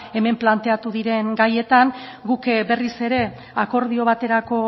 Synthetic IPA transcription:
e̞me̞mplant̪e̞at̪uðiɾe̞ŋɡaje̞t̪aŋɡukbe̞rise̞ɾe̞ | ako̞ɾðio̞β̞at̪e̞ɾako̞

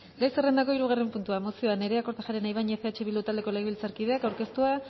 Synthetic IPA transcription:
ɡajserend̪ako̞iɾuɣ̞are̞mpunt̪uamosio̞ane̞ɾe̞ako̞ɾt̪aʝaɾe̞najβajɲefeat͡ʃeβild̪ut̪ald̪e̞ko̞leɣβilt͡saɾkið̞e̞akawɾke̞st̪ua

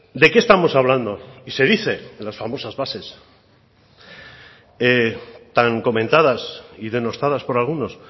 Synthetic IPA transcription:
d̪e̞kest̪amo̞saβland̪o̞ise̞ðiθe̞lasfamo̞sazβase̞s | et̪aŋko̞mẽ̞nt̪aðasiðe̞no̞st̪aðaspo̞ɾalɣuno̞s

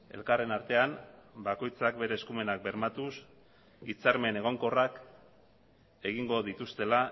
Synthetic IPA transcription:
e̞̰lkare̞naɾt̪e̞ambako̞jt͡sak̚be̞ɾe̞ːskume̞nak̚be̞ɾmat̪us | it͡saɾme̞ne̞ɣ̞o̞ŋko̞rak | e̞ɣ̞iŋɡo̞ðit̪ust̪e̞la

